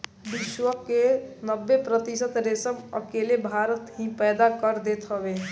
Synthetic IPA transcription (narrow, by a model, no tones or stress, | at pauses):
bɪʃwəkːenəbːepɾət̪ɪsət̪ɾeːsəmə̰keːlebʱaːɾət̪ɦĩpɛːd̪akəɾd̪eːt̪ɦəʋe